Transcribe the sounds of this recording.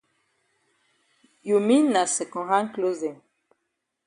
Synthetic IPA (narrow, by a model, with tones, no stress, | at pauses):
ju˨mi˦na˨sɛ˨kɔ̃˨ɦa˦ŋ˦klo˦zɛ˨n